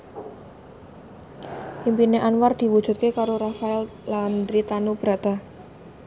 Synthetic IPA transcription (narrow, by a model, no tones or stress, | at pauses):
ʔimpineʔanward̪̥i̤wud̥ʒ̥ṳt̪̚kekaɾorafaɛl | land̪ɾit̪anub̥ɾad̪̥a